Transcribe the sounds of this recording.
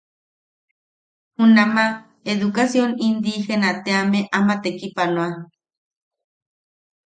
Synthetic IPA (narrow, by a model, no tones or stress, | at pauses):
hunama | eðukasjonind̪ihenat̪eameʔamat̪ekipanoa